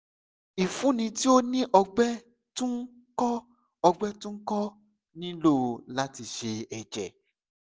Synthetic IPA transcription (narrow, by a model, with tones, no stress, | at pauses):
i˨fũ˨˦nĩ˧˦ti˦o˦nĩ˦ʔɔ˧ɡ͡bɛ˦ | tũ˦ | kɔ˦ | ɔ˧ɡ͡bɛ˦tũ˦kɔ˦ | nĩ˦lo˦˨la˦ti˧ʃe˧ɛ˨d͡ʒɛ˨